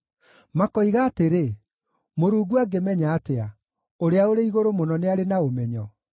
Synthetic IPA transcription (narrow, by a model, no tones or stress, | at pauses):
makɔiɣaːteɾe | moɾuːɡuaɡemɛɲaːtea | oɾeaoɾeiɣoɾomonɔneaɾenaomɛɲɔ